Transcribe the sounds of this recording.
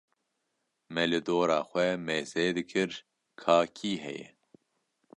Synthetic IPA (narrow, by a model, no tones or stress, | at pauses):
mɛlɨd̪oːɾɑːxʷɛmeːzeːd̪ɨkʰɨɾ | kʰaːkʰiːɦɛ̰jɛ̰